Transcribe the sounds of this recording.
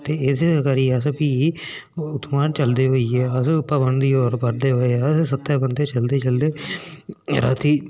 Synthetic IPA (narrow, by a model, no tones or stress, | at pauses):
t̪eːɪsekəɾiːəspiː | ʊt̪maːnt͡ʃəld̪eːɦoːiːɛːəspəbənd̪iːoːɾpəɾd̪eːɦoːeɛssət̪ːɛːbənd̪eːt͡ʃəld̪eːt͡ʃəld̪eː | ɾa̰ːt̪iː